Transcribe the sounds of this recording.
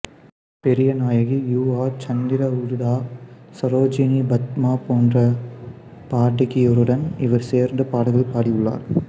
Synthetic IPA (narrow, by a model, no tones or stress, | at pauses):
pɛɾɪjɐnaːjɐɣijuːaːt͡ʃɐnd̪ɪɾɐʊɾʊðaːsɐɾoːd͡ʒɪnibɐt̪̚maːpoːndrɐ | paːʈːɪkːɪjɔɾɯɽɐnɪʋɐɾseːɾnd̪ɐpaːɽɯɣɐɭpaːɽijɯɭːa̰ːɾ